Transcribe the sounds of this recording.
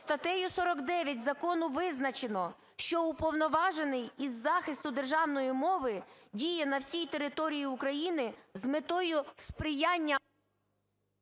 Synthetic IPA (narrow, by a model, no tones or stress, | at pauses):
st̪ɐt̪ɛjʊsɔɾɔɡd̪ɛʋʲjɐt̚ʲzɐkɔnʊʋɪznɐt͡ʃenɔ | ʃt͡ʃɔʊpɔwnɔʋɑʒenɪjizːɑxɪst̪ʊd̪e̞rʒɑwnɔjimɔʋɪdʲijɛnɐwsʲijt̪e̞ɾɪt̪ɔɾʲijiʊkɾɐjinɪzmɪt̪ɔjʊspɾɪjɑnʲːɐ